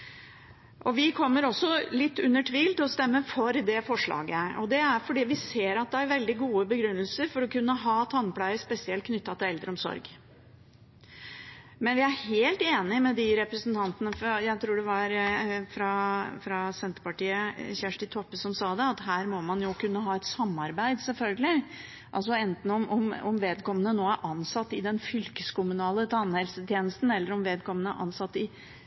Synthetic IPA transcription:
ʔɔʋɪkʰɔmːəɾɔsːɔlɪt̪ːʉnːəʈʰʋiːlt̪ɪlɔst̪ɛmːəfɔɾd̪ɛfɔʂɭɑ̰ːɡəʔɔd̪ɛæɾfɔɖiːʋɪseːɾɑt̪̚d̪ɛæɾʋɛld̪ɪɡuːəbəɡɾʉnːəlsəɾfɔɾɔkʉnːəɦɑːt̪ʰɑnːpʰlæɪəspɛsɪɛlt̪kʰnʏt̪ːɑt̪ɪɛld̪ɾəɔmsɔ̰ɾɡ | mɛnʋɪæɾheːlt̪eːnɪmɛd̪ɪɾɛpɾəsnt̪ʰɑnt̪ənəfɾjæɪt̪ʰɾuːɖɛʋɑɾfɾɑfɾɑsɛnt̪ə̥ɾpɑʈiːəçæʂʈɪt̪ʰɔpːəsɔmsɑːd̪ɛɑt̪ɦæːɾmɔmɑnjʊkʉnːəɦɑːɛt̪sɑmːɑɾbæɪd̪sɛlfœlɡəlɪ | ʔɑls̬ɔɛnt̪n̩ɔmʔɔmɔmʋeːd̪kɔmːənənoːæɾʔɑnsɑt̪ːɪd̪ɛnfʏlkəskʊmʉnɑːlət̪ʰɑnhɛlsət̪ʰjeːnəst̪n̩ɛlːəɾɔmʋeːd̪̚kʰɔmːənəæ̰ɾʔɑ̰nsɑt̪ːɪ

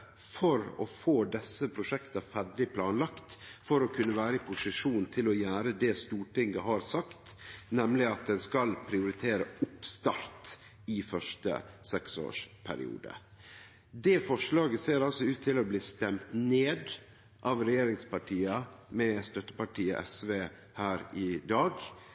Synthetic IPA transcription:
fɔɾɔ̰foːd̪ɛsːəpʰɾʊʂɛkt̪ɑfæɖɪpʰlɑːnlɑkt̪fɔɾɔkʰʉnːəʋæːɾəɪpʰʊsɪʂuːnnt̪ʰɪlɔjæːɾəd̪ɛːst̪uːʈɪŋɡəɦɑːɾsɑkt̪nɛmlɪɑt̪̚d̪ɛnskɑlpʰɾɪʊɾɪt̪ʰeːɾəʊpst̪ɑɾt̪ | ɪfœʂʈə̰sɛkso̰ːʂpʰæ̰ɾɪ̰ṵːd̪ə̰ | d̪ɛːfɔʂlɑːɡəseːɾɑlsɔʉːt̪ʰːɪlɔbliːst̪ɛmt̪neːd̪ | ʔɑːʋɾɛjeːɾɪŋspɑʈʰiːɑmɛst̪œt̪ːə̥pɑʈʰiːə̰ʔɛsʋeː | hæːɾɪd̪ɑːɡ

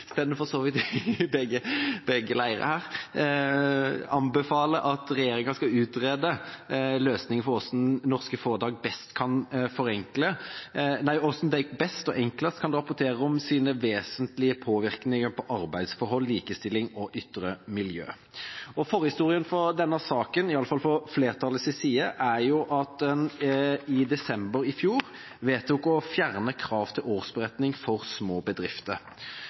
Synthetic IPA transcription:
stɛnəfɔsoːʋɪt̪bɛɡəbɛɡəlæɪəɾə̰hæːɾ | ɑnbəfɑːləʔɑt̪ɾɛjeːɾɪŋəskɑʉːt̪ɾeːd̪əløːsnɪŋəfɔɾɔsd̩̪nɔʁskəfoːʁd̪ɑːɡ̚bɛst̪kʰɑnfɔɾɛŋklənæɪɔsnd̪æɪkbɛst̪ɔʔɛŋkləst̪kʰɑnd̪ɛɾʁɑpːʊɾt̪ʰeːɾəɔmsiːnəʋeːsənt̪lɪəpʰoːʋɪɾknɪŋəpʰɔʔɑɾbæɪd̪sfɔɾɦɔlːiːkəst̪ɪlɪŋɔʔʏt̪ːɾəmɪljø̰ː | ɔfɔʁəhɪst̪uːɾɪənfɔɾd̪ɛnːəsɑːkənɪɑlːəfɑlfɔfleːʁt̪ʰɑləsɪsiːəʔæɾjʊʔɑt̪̚d̪ɛnɪd̪ɛsɛmbəɾɪfjuːɾ | ʋeːt̪jʊkɔfjæʁnəkʰɾɑːʋt̪ʰɪloːʁsbəɾɛt̪nɪŋfɔɾsmoːbəd̪ɾɪft̪əɾ

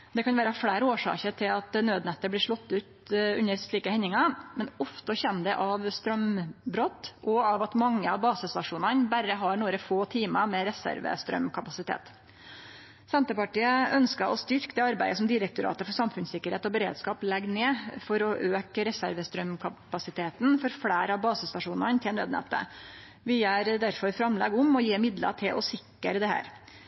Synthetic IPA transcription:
d̪ɛkʰɑnʋæːɾəfɽæːɾoːʂɑ̰ːkət̪ʰɪlɑt̪nøːd̪nɛt̪ːəɾblɪʂɭɔt̪ːʉːt̪ʉ̰nəɾʂɭiːkəhɛnːɪŋɑmɛnɔft̪əçɛnːd̪ɛʔɑʋst̪ɾœmbɾɔt̪ːʔɔɑʋɑt̪mɑŋːəɑʋbɑːsəst̪ɑʂuːnɑnbæɾəɦɑɳuːɾəfoːt̪ʰiːmɑmɛɾɛsæ̰ɾʋə̰st̪ɾœ̰mkʰɑpɑsɪt̪ʰḛːt̪ | sɛnt̪əpɑʈiːəœnskɑʔɔst̪ʏɾkd̪ɛːɑɾbæɪəsɔmd̪ɪɾək̚t̪ʊɾɑ̰ːt̪əfɔɾʂsɑmfʉnsɪkːəɾheːt̪ɔbəɾḛːd̪skɑːplɛɡneːfɔɾɔʔøːkəɾɛsæɾʋəst̪ɾœmkʰɑpɑsɪt̪ʰeːt̪n̩fɔɾflæːɾɑʋbɑːsəst̪ɑʂuːnɑnt̪ʰɪɛnɾɛ̰d̪nɛ̰t̪ːə̰ | ʋɪæɾd̪æɾfɔɾfɾɑmlɛɡʊmɔjeːmɪd̪lɑ̰ʈʰɪlʔɔsɪkːəɾd̪ɛhæ̰ːɾ

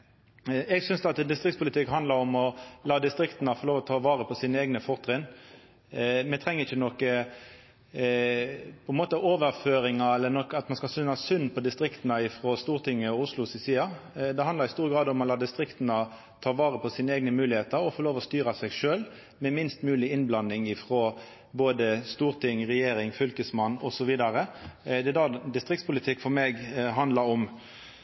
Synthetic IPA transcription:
ɛɡsʏnsd̪ɛɑt̪d̪ɪst̪ʁɪk̚t̪spʰʊlɪt̪ɪkːɦɑnd̪lɑɾɔmɔlɑːd̪ɪst̪ʁɪkt̪ənəfɔʁloːʋɔt̪ʰɑːʋɑːʁəpʰɔsiːnəeːɡnəfɔʁt̪ʁɪn | mɛt̪ʰʁɛŋːəʁɪçənɔkːə | pʰɔɛnmoːt̪əʔoːʋəʁføːɾɪŋɑɛlːənɔkːɑt̪mɑnskɑsʏnɑsʏnːpʰɔd̪ɪst̪ʁɪkt̪nəɪfʁoːst̪uːʁt̪ʰɪŋːəɔʊslʊsɪsiːɑd̪ɛhɑnd̪ɑɾɪst̪uːɾəɡɾɑːd̪ɔmɑt̪lɑːd̪ɪst̪ɾɪkt̪ənɑ | t̪ʰɑːʋɑːʁəpʰɔsiːnəɛːɡ̚nəmʉːlɪheːt̪əɾɔfɔːɾloːʋɔst̪yːɾɑsɛɡʂøːl | mɛmɪnst̪mʉːlɪɪnblɑnːɪŋɪfʁoː | boːd̪əst̪uːʁt̪ʰɪŋʁɛjeːɾɪŋfʏlkəsmɑnːɔsɔʋiːd̪ɑɾəd̪ɛd̪ɑd̪ɪst̪ʁɪk̚t̪spʊlɪt̪ʰɪkːfɔɾmeːɡɦɑnd̪lɑɾɔm

